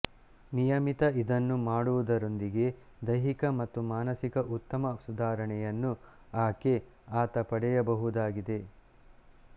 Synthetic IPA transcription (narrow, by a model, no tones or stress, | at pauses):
nijɐmit̪ɐid̪ɐnːumaːɽuʋud̪ɐɾo̞nd̪iɡe̞ | d̪ɐjɦikɐmɐt̪ːumaːnɐsikɐʔut̪ːɐmɐsud̪aːɾɐɳɛjɐnːu | aːke̞ | aːt̪ɐpɐɽɛjɐbɐɦud̪aːɡid̪e̞